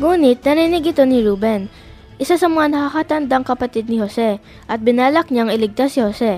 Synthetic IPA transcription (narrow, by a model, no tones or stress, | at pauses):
ŋuːnɪt̪̚nɐninɪɡɪt̪o̞nɪɹuːbɛn | ʔɪsasɐmɐŋanɐkakat̪ɐnd̪aŋkɐpɐt̪id̪̚nɪhosɛ | ʔɐt̪̚bɪnaːlɐk̚ɲaŋɪlɪɡ̚t̪asɪhosɛ